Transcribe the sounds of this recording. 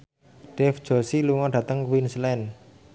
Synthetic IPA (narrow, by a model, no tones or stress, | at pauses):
ɖ̥ɛfd͡ʒ̥ɔ̤siluŋɔɖ̥ä̤t̪əŋkwinslɛn